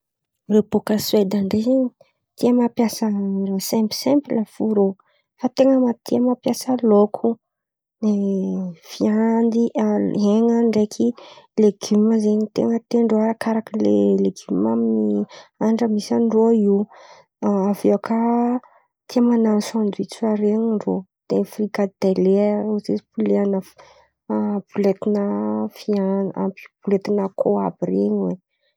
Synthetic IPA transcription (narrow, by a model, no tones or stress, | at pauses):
repokased̪aɳɖ͡ʐezeɲi | t̪iəmapjasərosɛ̃mpsɛ̃mpilafuɾo | fat̪eŋəmat̪ʰiəmapjasəlokʰu | ne | fiand̪iʔaɦeŋəɳɖ͡ʐekʰileɡyməzeɲit̪ḛŋət̪eɳɖ͡ʐoaɾakaɾakəlḛleɡymaminiaɳɖ͡ʐəmisanɖ͡ʐoi | aveakʰə | t̪ʰiamanansãnd̪uit͡suaɾeɲiɳɖ͡ʐod̪̥efrikad̪eleozezi̥puleanə | ab̥ulet̪inəfiaa̰pi̥b̥ulet̪inakʰoabireɲwe